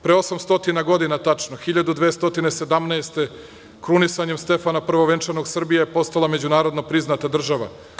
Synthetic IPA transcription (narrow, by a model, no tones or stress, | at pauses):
pɾeo̞samst̪o̞t̪inaɡo̞d̪inat̪at͡ʃnoxiʎad̪ud̪ʋeːst̪o̞t̪inesed̪amneːst̪e̞ | kɾunisaɲemst̪e̞fanapr̩ʋoʋe̞nt͡ʃaɾno̞ɡsr̩bijajepo̞st̪alˠame̞d͡ʑunaːɾo̞d̪nopɾiznat̪ad̪r̩ʒaʋa̰